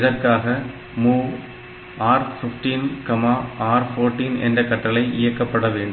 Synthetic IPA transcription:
ɪðɐrkaːɣɐ | muː | aːɾfɪfʈinkɐmaːʔaːɾfoːɾʈːiːnɛ̰ndrɐkːɐʈːɐlɐɪʔɪjɐkːɐpːɐɽɐʋeːɳɖ

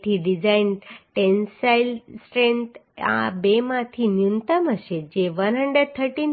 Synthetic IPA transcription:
t̪ʰiːɖid͡zainʈensailsʈɾẽnt̪a̰bemãt̪ʰiːnjunt̪əməɕed͡ʑeʋənɦəɳɖed̪̚t̪ʰəɾʈiːn

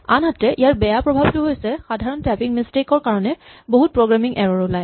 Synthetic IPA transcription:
anɦatɛʔijaɹbɛjapɹɔbʱabitʊɦojsɛxadʱaɹɔntɹɛpiŋmistekɔɹkaɹɔnɛboɦut̚pɹoɡɹamiŋʔɛɹɔɹulaj

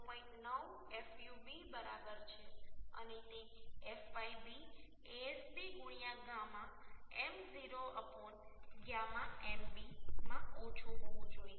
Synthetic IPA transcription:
pɔ̃ĩʈnəʋ | efjubibəɾabəɾt͡ʃʰeə̰net̪eefaibi | eesbiɡuɽ̃ijãɡãmãemziɾoəpɔnɡjamãembimãot͡ʃʰuɦɔʋũd͡ʒoije

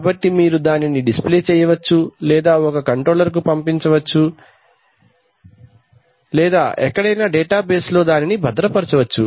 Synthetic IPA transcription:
bɐʈːimiːɾud̪aːniniɖispleːt͡ʃɛːjɐʋɐt͡ʃːulɛːd̪aːɔkɐkɐɳʈɾo̞ːlɐɾk̬upɐmpiɲt͡ʃɐʋɐt͡ʃːu | lɛːd̪aːʔɛkːɐɽɐjnaːɖɛːʈaːbeːslo̞ːd̪aːninibʱɐd̪ɾɐpɐɾɐt͡ʃɐʋɐt͡ʃːṵ

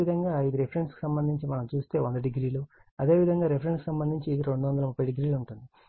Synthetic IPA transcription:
id̪ʱɐŋɡaːjid̪iɾepʰɐɾeɳʈski̥sɐmbɐnd̪ʱiɲt͡ʃimɐnɐmt͡ʃuːst̪e̞ːond̪ɐɖiɡɾiːluɐd̪e̞ːʋid̪ʱɐŋɡaːɾepʰɐɾeɳskisɐmbɐnd̪ʱiɲt͡ʃiːd̪iɾe̞ɳɖuʋɐnd̪ɐlɐmupːɐjɖiɡɾiːlouɳʈund̪i

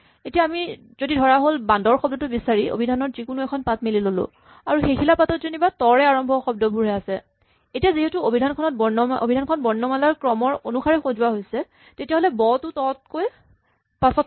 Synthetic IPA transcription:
etijaːmi | zodidʱɔɹaɦolbandɔɹxɔbdɔtʊbisaɹio̰bʱidʱanɔtzikʊnuɛkʰɔnpat̚melilolʊ̰̃ | aɹuxekʰilapatɔtzonibatɔɹɛaɹɔmbʱɔxɔb̚dɔbʱuɹɦɛasɛ | etijaziɦetuobʱidʱankʰɔnɔt̚bɔnʔo̰bʱidʱankʰɔnbɔɹnːɔmalaɹkɹɔmɔɹonuxaɹɛxozʊwaɦojsɛ | tetijaɦolɛbɔtʊtɔt̚koj | pasɔ

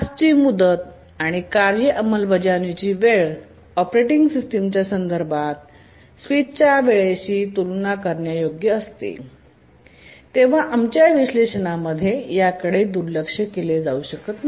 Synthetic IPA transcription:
st͡ɕiːmud̪ət̪̚ | aɽ̃ikaɾjəʔəməlʋəd͡ʑanit͡ɕiːʋeɭ | ɔpɾeʈiŋɡsisʈəmt͡ɕjasənd̪əɾbʱat̪̚ | sʋit̪̚t͡ɕjaʋeɭeɕiːt̪ulnakəɾɳjajoɡjəːst̪ḛ | t̪eʋ̤aʔamt͡ɕjaʋiɕleɕənaməd̪ʱːjejakəɽed̪uɾləkʂəkeled͡zauɕəkət̪n

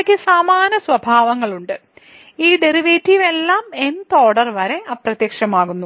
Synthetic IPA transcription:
kʲːɨsaːmaːnɐsʋɐbʱaːʋɐŋːɐɭuɳɖɨ | iːɖe̞riʋeːtːiʋe̞lːaːment̪o̞ːɽɐrʋɐɾe̞ʔaːprɐt̪jɐkʂɐmaːɣunːu

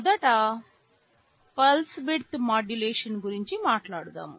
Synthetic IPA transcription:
ɐd̪ɐʈɐ | pɐlsbiɽt̪maːd͡ʒuleːʂɐnɡuɾiɲt͡ʃimaːʈlaːɽut̪a̰ːm

